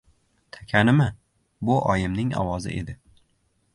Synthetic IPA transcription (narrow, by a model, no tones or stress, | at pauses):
t̪ʰakʲʰanɪmɪ | bʊʔɒjɪmnɪŋɒ̰wɒzɪ̰ʔe̞d̪ɪ